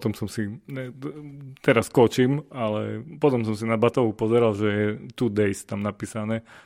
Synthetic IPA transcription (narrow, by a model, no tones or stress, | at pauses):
t̪ɔmsɔmsiɛ | t̪ɛɾaskɔt͡ʃimalɛ̰pɔt̪ɔms̬ɔmsinabat̪ɔʋupɔzɛɾalʒɛjɛt̪ud̪ɛjst̪amnapiːsanɛː